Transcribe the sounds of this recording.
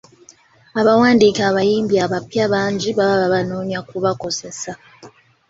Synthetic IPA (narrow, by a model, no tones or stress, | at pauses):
aβawaːndiːkaβajiːmbjaβapjaβaːɲɟiβaβaβaβanoːɲjakuβako̞ze̞sa